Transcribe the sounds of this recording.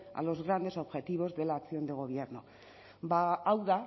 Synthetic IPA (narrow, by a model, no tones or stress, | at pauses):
a̰lo̞zɣɾand̪e̞so̞βxe̞t̪iβ̞o̞zðe̞laːksio̞nd̪e̞ɣ̞o̞βje̞ɾno | baawða